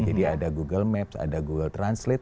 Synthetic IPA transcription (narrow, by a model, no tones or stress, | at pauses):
d͡ʒadiadaɡuɡəlmɛpsa̰daɡuɡəlt̪ɾanslɪt̪̚